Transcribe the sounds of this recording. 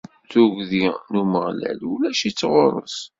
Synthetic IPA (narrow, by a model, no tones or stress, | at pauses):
θuʝðinuməʁlæ̰lulæʃit͡sːʁʊɾˤə̰s